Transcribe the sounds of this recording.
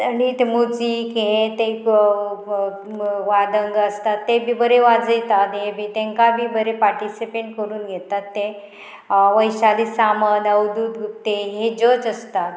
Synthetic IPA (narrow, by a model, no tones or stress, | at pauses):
anit̪emot͡siːkẽt̪e | ʋad̪əŋɡəst̪at̪ːebʱibəɾeʋad͡zəjt̪at̪ɦebʱit̪ẽŋkabʱiːbəɾepaɾʈisipeɳʈkəɾuːnɡɛt̪at̪ːe | ʋəjɕad̪iːsamənəʋd̪uːd̪ɡot̪ːeɦed͡ʑot͡səst̪at̪